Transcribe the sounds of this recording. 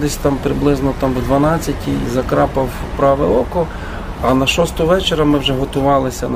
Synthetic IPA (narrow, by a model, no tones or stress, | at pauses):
ɪsʲt̪ɑmpɾɪblˠɪznɔt̪ɑmwd̪ʋɐnɑt͡sʲːɐtʲizɐkɾɑpɐw | pɾɑʋɛɔkɔ | ɐnɐʃɔst̪ɔʋɛt͡ʃeɾɐmɪwʒɛɦɔt̪ʊʋɑlˠɪsʲɐn